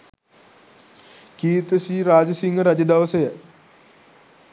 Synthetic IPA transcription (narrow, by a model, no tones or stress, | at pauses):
kiːt̪əʃiːɾaːd͡ʒəsiŋɡəɾad͡ʒəd̪ɐʋəsəjə